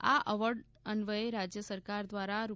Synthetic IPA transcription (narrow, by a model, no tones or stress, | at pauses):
a̰ʔəʋəɾɖ | ənʋəeɾad͡ʒjəsəɾkaɾd̪ʋaɾaɾu